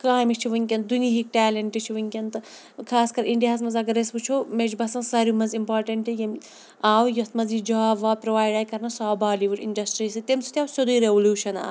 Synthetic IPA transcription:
kaːjmit͡ʃʰiʋɐnʲkʲɐnd̪uniɦik̚ʈɛːlɐɳʈit͡ʃʰiʋɐnkʲɐnt̪ɨ | kʰaːskɐɾiɳɖijaːzmɐzɐɡɐɾesbɨt͡ʃʰomed͡ʒbɐsɐ̃nsɐɾumɐnzimpaːɾʈɐɳʈijɐm | aːwjɐt̪ʰmɐzid͡ʒɐaʋaːpɾoʋaːjɖaːjkɐɾnɐsaːbaːliʋiʈḭɳɖɐsʈɾiːsɨt̪emsu̥t̪ʲaːwsɐd̪uɾeʋɐluːʃɐna̰ː

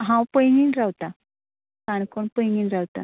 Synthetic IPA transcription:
ɦãwpəjŋinɾawt̪a | kankoɳpəjŋinɾawt̪a̰

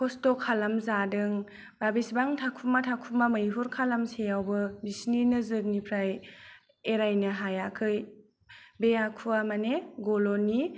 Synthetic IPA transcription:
kʰɔstɔkʰalamzadɯŋ | babisbaŋtʰakʰumatʰakʰumamɯjɦuɾkʰalamsejawbɯbisninɯzɯɾnipʰɾaj | eɾajnaɦajakʰɯj | bejakʰuamaneɡɔlɔni

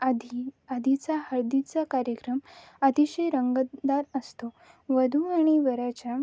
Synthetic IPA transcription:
d̪ʱiəd̪ʱit͡sahəɾd̪it͡sakaɾjəkɾəm | at̪iɕejɾəŋɡəd̪aɾəst̪o | ʋəd̪ʱuaɽ̃iʋəɾat͡ɕa

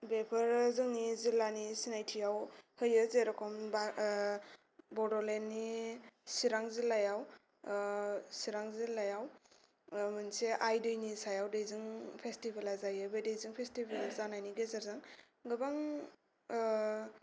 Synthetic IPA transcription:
bepʰɯɾzɯŋnizilanisinajtʰijawhɯjɯzeɾɔkʰɔmba | bɔdɔlenːisiɾaŋzilajaw | siɾaŋzilajaw | mɯnseʔajdɯjnisajawdejzɯŋpʰestibelazajɯbedejzɯŋpʰestibelaɾzanajniɡezaɾzaŋ | ɡɯbaŋ

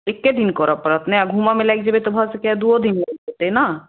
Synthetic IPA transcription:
ekːed̪inkɔɾapɔɾat̪neaɡʱumamelɛk̚d͡ʑebet̪obʱasekad̪uod̪inaot̪ena

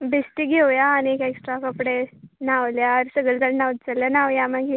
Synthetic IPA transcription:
besʈiɡʱewjaːniekeksʈɾakəpɽenaʋljaɾsəɡəɭt̪əɽnaʋt̪t͡saljanaʋjamaɡi

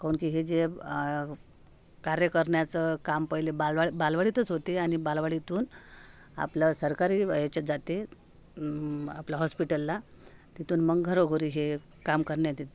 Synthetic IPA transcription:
kaunkiɦed͡ze | kaɾjəkəɾɳjat͡səkampəjlebalʋabalʋaɭit̪ət͡sɦot̪eañibalʋaɭit̪uːn | a̰pləsəɾkaɾiːjet͡ɕad͡zat̪e | aplaɦɔspiʈəlːa | t̪it̪uːnməŋɡʱəɾoɡʱoɾiːɦe | kamkəɾɳjat̪et̪e

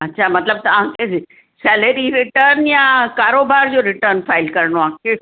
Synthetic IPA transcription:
ɐtːɕʰamɐt̪ləb̚t̪ɐʋãːkʰe | sɛːləɾiɾɪʈəɾnjakaːɾoːbaːɾd͡ʑoːɾɪʈəɾnfaːɪlkɐɾəɳoãːkʰe

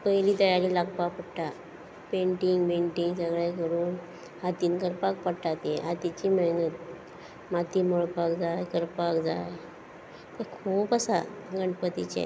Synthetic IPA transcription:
pəiliːt̪əjaɾiːlaɡpapəɽʈ̪a | peɳʈiŋɡpeɳʈiŋɡsəɡɭakəɾuːn | hat̪iːnkəɾpak̚pəɽʈat̪jeɦat̪it͡ɕiːməɦnət̪̚ | mat̪iːmoɭpakd͡zajkəɾpakd͡za̰j | t̪əkʰuːpasa̰ɡəɳɖpət̪ḭt͡ɕḛ

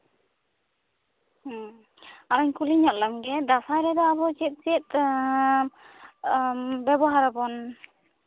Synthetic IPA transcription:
aɾaɲkuliɲɔʔ̪̚lamɡɛd̪asajɾɛd̪ɔaβɔt͡ʃɛt̪̚t͡ʃɛt̪̚ | bɛbɔɦaɾabɔn

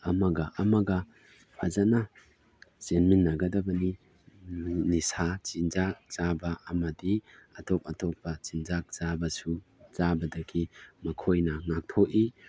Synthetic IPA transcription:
ɐmɐɡɐʔɐmɐɡɐ | pʰazana | zenminːɐɡɐdɐbɐni | nisat͡ʃinzak̚z̥abɐːmɐdiɐtʰɔp̚ɐtʰɔpːɐt͡ʃinzak̚z̥abɐsuzabɐdɐkʰimɐkʰojnɐŋak̚tʰoʔi

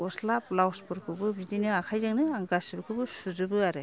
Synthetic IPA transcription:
ɔslaplawspɔɾkʰɯbɯbidinɯakʰajzaŋnɯaŋɡasibɯkʰɯbɯsuzɯbɯaɾe

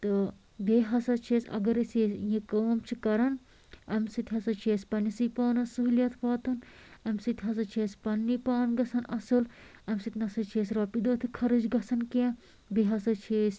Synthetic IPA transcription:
t̪ɨ | beːɦɐsɐt͡ʃʰeːsʲɐ̰ɡɐɾiseːsjĩkɐːmt͡ʃʰikɐɾɐn | ɐmsɨt̪ʲɦɐsɐt͡ʃʰeːsʲpɐnːisipaːnɐsuɦljɐt̪ʰpɐːt̪ɨnɐmsɨt̪ɦɐs̬ɐt͡ʃʰeːspɐnːipaːnɡɐsɐnɐsɨlɐmʲsɨt̪ʲnɐsɐt͡ʃʰeːs̬ɾɐːpid̪oːt̪ʰikʰɐɾɨd͡ʒɡɐsɐnke | beːɦɐsɐt͡ʃʰeːsʲ

